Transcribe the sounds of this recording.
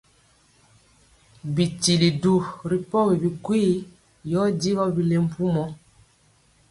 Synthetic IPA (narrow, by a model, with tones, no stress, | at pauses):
bi˨ti˨li˨du˨ɾi˨pɔ˦wi˨bi˨kwi˦ | jɔ˦di˦ɣɔ˦bi˨le˦m̩˨pu˦mɔ˦